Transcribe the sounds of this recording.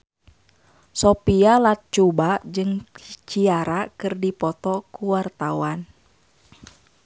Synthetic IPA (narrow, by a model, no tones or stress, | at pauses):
sɔpialat̪̚t͡ʃubaʔd͡ʒɨŋt͡ʃiaɾakɨrdipɔt̪ɔkuwart̪awan